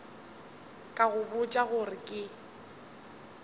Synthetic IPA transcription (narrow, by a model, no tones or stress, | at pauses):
kʼaɣʊbʊt͡ʃʼaɣʊrɪkʼɪ